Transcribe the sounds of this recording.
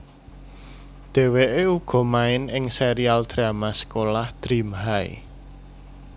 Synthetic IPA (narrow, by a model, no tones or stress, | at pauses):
d̪̥ɛ̤weʔeuɡ̥ɔ̤maɪnɪŋseɾiald̪̥ɾamasə̥kolahd̪̥ɾimɦaḭ